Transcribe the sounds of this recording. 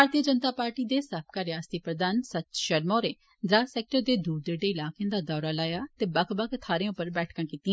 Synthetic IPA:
aːɾt̪iəd͡ʒənt̪aːpaːɾʈiːd̪eːsəbkaːɾjaːst̪iːpɾəd̪aːnsətːʃəɾmɔːɾeː | d̪ɾaːsɛːk̚ʈəɾd̪eːd̪uːɾd̪eːɖeːɪlaːkẽnd̪aːd̪ɔːɾaːlaːjaːt̪eːbəkʰbəkʰt̪ʰaːɾẽːʊpːəɾbɛːʈʰkãːkiːt̪ĩ

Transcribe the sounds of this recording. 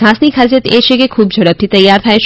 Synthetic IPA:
aːsnikʰazijət̪eːʃekekʰuːb̚d͡ʒʱɐɽəb̚t̪ʰit̪ɐjːaːɾt̪ʰaːeʃ

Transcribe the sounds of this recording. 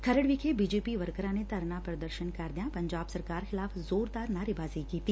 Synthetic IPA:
kʰɐɾəɽʋikʰebiːd͡ʒeːpiʋəɾkəɾãnet̪ɐɾnapɾɐd̪əɾʃənkaːɾd̪jãpɐ̃ɲd͡ʒaːbsɐɾkaːɾxɪlaːfzoːɾd̪aːɾnaːɾɪbaːzikiːt̪iː

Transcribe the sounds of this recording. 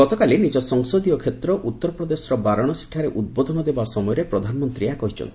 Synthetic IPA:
ɔt̪ɔkalinid͡ʒɔsɔŋsod̪ijɔkʰet̪ɾɔʔut̪ːɔɾɔpɾɔd̪esɔɾɔbaɾɔɽ̃ɔsi̥ʈʰaɾeʔud̪̚bɔd̪ʱɔnɔd̪ebasɔmɔjɔɾepɾɔd̪ʱanɔmɔnt̪ɾiakɔɦit͡ʃʰɔ̰nt̪i̥

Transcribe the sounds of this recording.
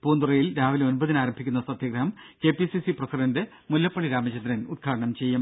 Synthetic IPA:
puːnd̪urɐjilɾaːʋileo̞nbɐðinaːɾɐmbʱikʲːunːɐsɐd̪ʱjɐɡɾɐɦɐmke̞ːpisisiprɐsiɖɐndɨ | mulːɐpːɐɭiɾaːmɐt͡ɕɐnd̪ɾɐnud̪̚ɡʰaːɽɐɳɐmt͡ɕe̞jːum

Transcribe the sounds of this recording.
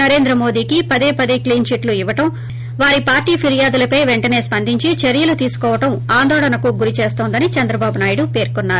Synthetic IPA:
ɐɾe̞ːnd̪ɾɐmo̞ːd̪iːkipɐd̪eːpɐd̪ekliːnʃiʈluiʋɐʈɐm | ʋaːɾipaːɾʈiːpʰiɾijaːd̪ulɐpɐjʋeɳʈɐne̞ːspɐnd̪ʱiɲt͡ʃit͡ʃɐɾjɐlut̪iːsu̥kɔːʋɐʈɐmaːnd̪ɔːɭɐnɐkuɡuɾit͡ʃe̞ːst̪oːnd̪ɐnit͡ʃɐnd̪ɾɐbaːbunaːjiɽupe̞ːɾkunːaːɾu

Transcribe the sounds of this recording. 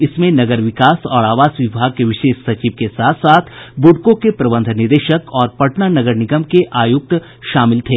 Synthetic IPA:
ɪsmẽnɐɡəɾʋɪkaːsɔːɾaːʋaːsʋɪbʱaːɡ̚keʋɪʃeːʃsɐt͡ʃiːʋkesaːt̪ʰsaːt̪ʰbʊɖkõkepɾɐbə̃nd̪ʱnɪɾd̪eːʃəkɔːɾpɐʈnanɐɡəɾnɪɡəmkeʔaːjʊk̚t̪ | ʃaːmɪlt̪ʰeː

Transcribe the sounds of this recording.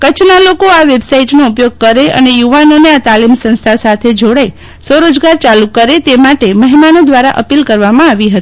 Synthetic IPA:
kət͡ʃʰnalokoaʋebsaiʈnoupjoɡ̚kəɾeʔə̰nejuʋanoneat̪alimsə̃st̪ʰasat̪ʰed͡ʒoɽai | soɾod͡ʒɡaɾt͡ʃalukəɾet̪emaʈeməɦimanod̪ʋaɾa̰ʔəpilkəɾʋamãaʋiɦət̪ii̥

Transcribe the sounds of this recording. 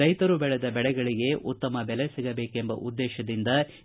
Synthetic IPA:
ɾɐjt̪ɐɾubɛɭɛd̪ɐbɛɭɛɡɐɭiɡe̞ʔut̪ːɐmɐbɛlesiɡɐbe̞ːkembɐ̰ʔud̪ːeːʃɐd̪ind̪ɐ

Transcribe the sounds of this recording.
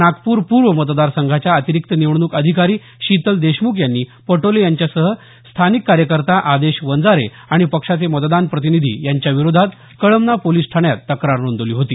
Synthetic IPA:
nakpuːɾpuɾʋəmət̪̬d̪aɾsəŋɡʱat͡ɕjaət̪iɾikt̪əniʋɳnuːkəd̪ʱikaɾiː | ɕit̪əld̪eɕmukjanːiːpəʈolejaɲt͡ɕjasəɦə | st̪ʰanikːaɾjəkəɾt̪aʔad̪eɕʋənd͡zaɾe | aɽ̃ipəkʂat͡semət̪d̪anpɾət̪̬inid̪ʱḭːjaɲt͡ɕjaʋiɾod̪ʱat̪ | kəɭəmnapoliːsʈʰaɳjat̪ːəkɾaɾnond̪oliːɦot̪iː

